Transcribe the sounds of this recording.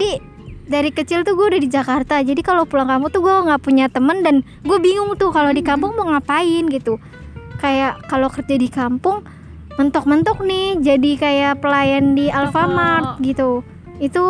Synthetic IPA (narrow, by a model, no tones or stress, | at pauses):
d͡ʒadi | daɾikət͡ʃɪlt̪uɡuadadid͡ʒakart̪ad͡ʒadikalopulaŋkamut̪uɡuaŋɡaʔpuɲat̪əməndan | ɡuabiŋʊŋt̪ʊkalodikampʊŋməŋapaɪnɡit̪u | kajaʔkalokərd͡ʒadikampʊŋ | mənt̪ɔk̚mənt̪ɔk̚nɪhd͡ʒadikajapəlajandialfamat̪̚ɡit̪u | it̪u